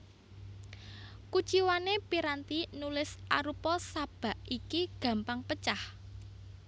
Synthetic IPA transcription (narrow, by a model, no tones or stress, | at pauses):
ku̥t͡ʃiwanepiɾant̪inulɪsa̰ɾupɔsab̥a̤ʔikiɡ̥ä̤mpaŋpət͡ʃah